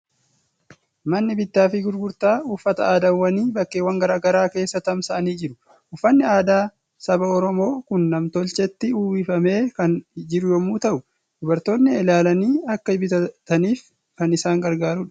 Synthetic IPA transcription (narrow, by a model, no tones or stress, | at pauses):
mɐnːɪbɪt̪ːaːfɪɡʊɾɡʊɾt̪aːʊfːɐt̪ɐaːd̪ɐwːɐniːbɐkːeːwːɐŋɡɐɾaːɡɐɾaːke̞ːsːɐt̪ɐmsɐʔɐniːd͡ʒɪɾʊ̥ | ʔʊfːɐnːɪaːd̪aː | sɐbɐɔɾɔmo̞ːkʊnːɐmt̪ɔlt͡ʃɛt̪ːɪuːwɪfɐme̞ːkɐnd͡ʒɪɾʊjɔmuːt̪ɐʔʊ | d̪ʊbɐɾt̪o̞ːnːɪɛlaːlɐniːɐkːɐɪbɪt̪ɐt̪ɐniːf | kɐnɪsaːŋɡɐɾɡaːɾuːᶑɐ̥